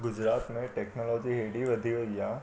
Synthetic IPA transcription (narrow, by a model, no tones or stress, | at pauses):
ɡʊd͡ʒɾaːt̪mẽʈeːknɔːlɔːd͡ʒiɦeːɖiʋɐd̪ʱioja